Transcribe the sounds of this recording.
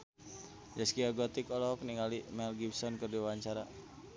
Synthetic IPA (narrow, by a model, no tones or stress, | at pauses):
d͡ʒaskiaɡɔt̪ikɔlɔɦɔk̚niŋalimɛlɡibsɔnkərdiwaɲt͡ʃaɾa